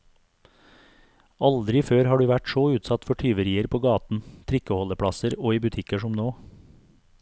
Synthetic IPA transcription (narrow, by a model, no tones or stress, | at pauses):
ɑld̪ɾɪføːɾhɑːɖʉːʋæʈsoːʉːt̪sɑt̪fɔʈʰyːʋəɾiːəɾpʰoːɡɑːt̪n̩t̪ʰɾɪkəhɔləpʰɽɑsəɾoːiːbʉt̪ʰɪkəʃɔmnoː